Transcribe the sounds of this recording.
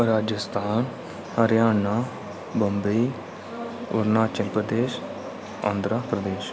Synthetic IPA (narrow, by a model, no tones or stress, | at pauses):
ɾaːd͡ʒəst̪ʰaːn | həɾjaːnaː | bəmbe | ʊ̰ɾnaːt͡ʃəŋpɾəd̪eːʃ | ã̰ːnd̪ɾəpɾəd̪eːʃ